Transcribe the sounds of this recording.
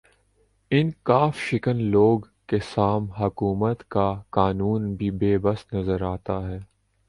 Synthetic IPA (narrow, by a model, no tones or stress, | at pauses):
ɪnkaːfʃɪkənloːɡ | kesaːmɦɐkuːmət̪kakaːnuːnbʱibeːbɐsnɐzəɾaːt̪aɦɛː